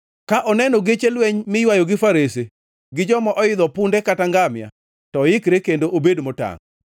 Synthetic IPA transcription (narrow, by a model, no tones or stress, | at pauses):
kaʔɔnɛnɔɡet͡ʃelweɲmɪjwajoɡɪfaɾese | ɡɪd͡ʒɔmɔʔɔɪd̪ɔpʊndɛkataŋɡamja̰ | tɔjɪkɾekendoʔobedmɔta̰ŋ